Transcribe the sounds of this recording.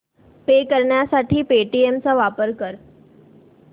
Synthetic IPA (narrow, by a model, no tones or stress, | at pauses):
pekəɾɳjasaʈʰiːpeʈiemt͡saʋapəɾkəɾ